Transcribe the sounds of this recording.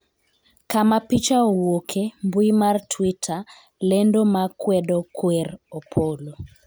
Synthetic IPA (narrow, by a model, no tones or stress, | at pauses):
kamapit͡ʃaɔwokʰembuimartʰwitʰa | lɛndomakwɛdɔkwɛropʰolo